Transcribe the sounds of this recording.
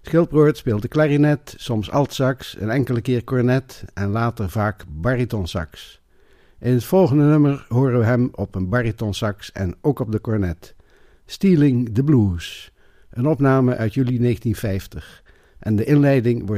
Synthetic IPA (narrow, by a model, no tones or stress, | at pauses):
sχɪlˠproːɹtspeːlˠtdəklaːrinɛtsɔmsɑ̰lˠtsɑksə̰nɛŋkələkɪːɹkɔɹnɛtɛnlaːtəɹvaːkbɑritɔnsɑ̰ks | ʔɪnɦətfɔlˠχəndənøməɹɦoːrəʋəɦɛmɔpənbɑritɔnsɑksɛ̰nowkɔb̚dəkɔɹnɛt | stiːlɪŋdəbluːs | ʔənɔpnaːməʔœɥtjylineχəntinfɛjftəχ | ʔɛndəʔɪnlɛjdɪŋʋɔɹ